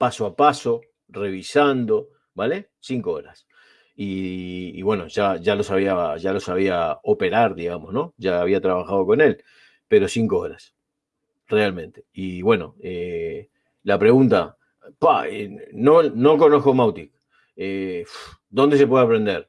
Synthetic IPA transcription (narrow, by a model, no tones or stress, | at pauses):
pasoapaso̞ | re̞βisand̪o̞ | bale | siŋkoo̞ɾas | ḭː | βwe̞no̞ʒaʒalo̞saβ̞iaʒalo̞saβiaope̞ɾaɾðiɣamosno̞ʒaːβ̞iat̪ɾaβaxað̞o̞ko̞ne̞l | pe̞ɾo̞siŋkooɾas | realmẽ̞nt̪e̥iβwe̞no̞̰e | lapɾe̞ɣunt̪a | pa̰ḛnono̞ko̞no̞hko̞mawt̪ik | ef | d̪o̞nd̪e̞s̬e̞p̬we̞ðapɾe̞nd̪eɾ